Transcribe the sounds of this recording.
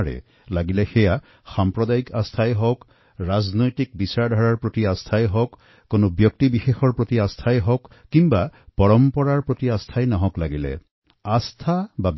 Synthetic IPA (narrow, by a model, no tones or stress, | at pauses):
ɹɛ̰ | laɡilɛxɛja | xampɹɔdajikastʰajɦɔk | ɹaznojtik̚bisaɹdʱaɹaɹpɹotiast̪ʰajɦɔkː | onobjɔk̚tibixexɔɹpɹotiastʰajɦɔkːimbapɔɹɔmpɔɹaɹpɹotiast̪ʰajnɔɦɔklaɡilɛ̰ | ast̪ʰabab